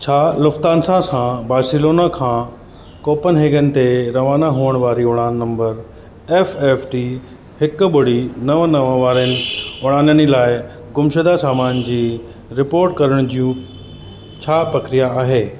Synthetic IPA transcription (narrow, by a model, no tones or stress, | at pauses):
t͡ɕʰaːlʊft̪aːnsãsãbaːɾsɪloːnakʰãː | koːpənɦeːɡənɪ̆t̪eɾɐʋaːnaɦuəɽ̃ʋaːɾiʊɽ̃aːnːɐ̃mbəɾ | eːfeːfʈi | hɪkʊɓʊɽ̤inɐʋənɐʋʋaːɾənɪ̆ʊɽ̃aːnənilaːɪ | ɡʊmʃəd̪asaːmaːnd͡ʑiː | ɾɪpoːɾʈkɐɾəɽ̃d͡ʑijũ | t͡ɕʰaːpɾɐkɾijaaːɦeː